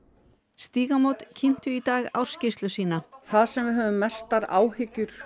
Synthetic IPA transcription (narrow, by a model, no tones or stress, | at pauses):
st̪iːɣamowt̪cʰɪn̥t̪ʏit̪aːɣa̰wɾ̥scɪst̪lʏsiːnaθaðsɛmvɪðɦœːvʏmːɛst̪aɾaːwhɪcːʏɾ̥